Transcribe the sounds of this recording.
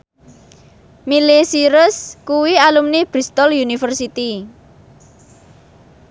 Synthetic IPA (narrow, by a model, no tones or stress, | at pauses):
milesiɾʊskuwialumnib̥ɾist̪ɔljunifərsit̪i